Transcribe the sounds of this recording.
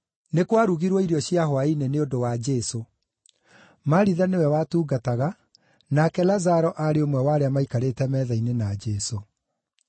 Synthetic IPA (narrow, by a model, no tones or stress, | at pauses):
nekwaɾuɣiɾwɔiɾjɔɕjaɦwaineneodowad͡ʒɛso | maɾiðanewɛwatuːɡataɣa | nakɛlazaɾɔʔaɾeomwɛwaɾeamaikaɾetɛmɛðainenad͡ʒɛso